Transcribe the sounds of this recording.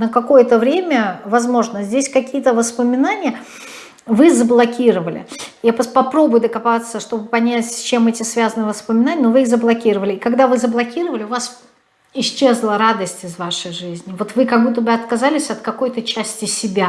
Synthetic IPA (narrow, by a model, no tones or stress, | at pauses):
nəkɐko̞jət̪əvɾʲemʲəvɐzmo̞ʐnəzʲdʲesʲkɐkʲijət̪əvəspəmʲɪnanʲɪjə | vɨzəblˠɐkʲiɾəvəlʲɪ̰jappɐpɾo̞bʊjʊd̪əkɐpat̪səʂt̪o̞bɨpɐnʲætʲsʲt͡ɕemɛtʲɪsvʲazənɨjvəspəmʲɪnanʲɪənovɨixzəblˠɐkʲiɾəvəlʲɪɪkɐɡd̪avɨzəblˠɐkʲiɾəvəlʲɪʊvas | ɪɕt͡ɕːe̞zlˠəɾad̪əsʲtʲɪzvaʂəjʐɨzʲnʲɪvo̞t̪vɨkɐɡ̚but̪̬ːəbɨɐt̪kɐzalʲɪsʲɐt̪̚kɐko̞jt̪ət͡ɕæsʲtʲɪsʲɪbʲa